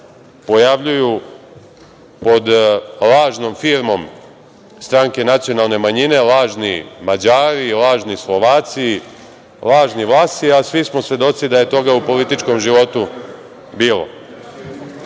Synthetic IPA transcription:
po̞jaʋʎuju | po̞d̪lˠaːʒno̞mfiːɾmo̞m | st̪ɾaŋke̞nat̪sijo̞nalˠne̞maɲine̞lˠaːʒnḭmad͡ʑaːɾilˠaːʒnislo̞ʋaːt̪si | lˠaːʒniʋlˠaːst̪iasʋismo̞sʋje̞d̪o̞t̪sid̪aje̞t̪o̞ɡaupo̞lit̪it͡ʃko̞mʒiʋo̞t̪u | biːlo̞̰

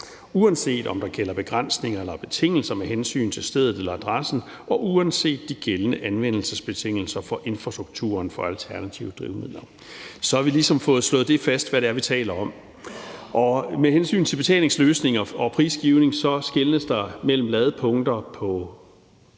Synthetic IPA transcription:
uænse̝̰ːd̥ɒ̽md̥ɑ̈ɡ̥elɐb̥e̝ɡ̥ʁan̰sne̝ŋɐelɐb̥e̝t͡sʰe̝ŋ̰l̩sɐmeɦensy̰ːnt͡sʰe̝lsd̥eð̞ˠð̩ˠelɐæd̥ʁasn̩ | ɒ̽ʔuænse̝̰ːd̥ːiɡ̥elənəʔænʋen̰l̩səsb̥e̝t͡sʰe̝ŋ̰l̩sɐfɒ̽ʔe̝nfʁɑ̈sd̥ʁuɡ̥̚t͡sʰṵːɐnfɒ̽ælt͡sʰæɐnæt͡sʰiʊd̥ʁiʊmiðˠlˠɐ | sɒ̽hɑ̈ʋilisɒ̽mfɔ̽ːð̩ˠslɔ̽ːð̞̩ˠd̥e̝fæsd̥ʋæɾeæɐʋit͡sʰɛ̰ːlɐɒ̽m | ʔɒ̽meɦensy̰ːnt͡sʰe̝lb̥e̝t͡sʰɛ̰ːle̝ŋsløːsne̝ŋɐɒ̽pʰʁḭːsɡ̥iʊne̝ŋsɒ̽sɡ̥e̝lnəsd̥ɑ̈mel̰m̩lɛð̞̩ˠəpʰɔ̽ŋd̥ɐpʰɒ̽

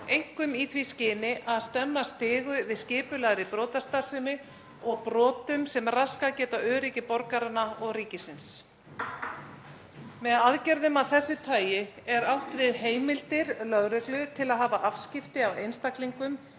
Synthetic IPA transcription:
ejŋ̥kʏmiθʰviscɪːnɪʔaðst̪ɛmːast̪ɪːɣʏvɪðscɪːpʏlaɣɾɪpɾɔːt̪ast̪ḁsɪnɪ | ɔɣpɾɔːt̪ʏmsɛmraskacɛːt̪aœːɾiːcɪpɔɾkaɾanːaɔɣriːcɪsɪns | mɛðaðcɛɾðʏmawθɛsːʏt̪ʰaːjɪɛɾawht̪vɪðheːjmɪlt̪ɪɾlœðɾɛklʏt̪ʰɪlaðɦaːvaʔafscɪft̪ɪavejnst̪akliŋkʏm

